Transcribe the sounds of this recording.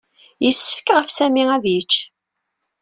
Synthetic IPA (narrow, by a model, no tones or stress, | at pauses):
jəsːə̥fkʁəfsæmiæðjət͡ʃː